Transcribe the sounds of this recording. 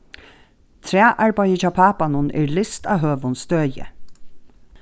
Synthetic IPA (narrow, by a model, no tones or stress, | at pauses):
t̪ʰɾæːʔɑɹbɑjət͡ʃɑːpʰɑːpɑnʊnʔḛːɹlɪst̪ɑːɦøːʋʊnst̪œːjə̰